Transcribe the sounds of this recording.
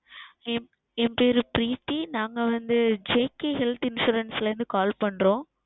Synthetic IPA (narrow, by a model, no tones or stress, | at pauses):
ɛm | ɛmpeːɾɯpɾiːt̪ːinaːŋɡɐʋɐnd̪ɯd͡ʒeːkːeɦɛlt̪ɪnʂuːɾɐnsɪlɾɯnd̪ɯkaːlpɐɳɾõː